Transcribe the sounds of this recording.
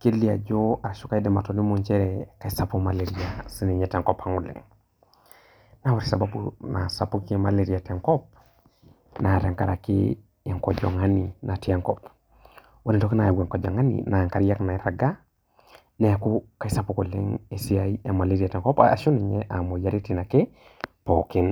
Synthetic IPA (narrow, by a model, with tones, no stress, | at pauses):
ke˦li˦a˨d͡ʒo˦a˨ʃu˦ka˦i˦dɛ˨ma˨to˨ni˦mu˦ɲt͡ʃe˦ɾeka˨i˦sa˦poma˨leɾi˦asi˦ni˨ɲɛ˨tɛ˨ŋkɔpa˦ŋu˨lɛ̰˨ŋ | na˦wa˦ɾi̥˨sa˨ba˦bṵna̰˨sa˨pu˦ki˦ma˨le˨ɾi˨a˨tɛ˨ŋkɔ˦p̚ | na˨ɾɛ˨ŋka˨ɾa˨kḭ˦ | e˨ŋkɔ˨d͡ʒɔ̰˨ŋa˦ninʔa˨ti˦a˦ŋkɔ˦p | wa˦li˨ntɔ˦ki˦na˨ɡwɛ˨ŋkɔ˨d͡ʒa̰˨ŋa˦nḭna˨ŋka˨ɾija˦kna˨i˨ɾa˨ɡa˦ | nɛ˨a˨ku˦ka˨i˦sa˦po˨ko˨lɛ̰˦ŋe˨si˦a˦ia˨ma˨le˦ɾi˦a˨tɛ˨ŋkɔ˦paa˨ʃo˦ni˨ɲɛ˦ʔa˨mo˨ja˨ɾi˦ti˦na˨ke˦ | po˨ki˦n